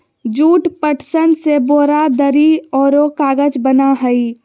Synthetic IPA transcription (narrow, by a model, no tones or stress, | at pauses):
d͡ʒuːʈpəʈʰsənseboːɾad̪əɾiɔːɾokaːɡəd͡ʒbənaɦəi